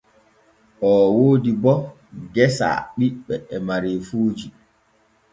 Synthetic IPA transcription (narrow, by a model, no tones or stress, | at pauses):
ʔɔwoːdibɔ | ɡɛsa̰ɓiɓːɛɛmaɾeːfuːd͡ʒi